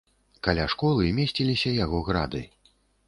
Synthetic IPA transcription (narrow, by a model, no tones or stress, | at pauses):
kalʲaʂkɔlˠɨmʲesʲt͡sʲilʲisʲɐjaɣɔɣɾa̰d̪ɨ̰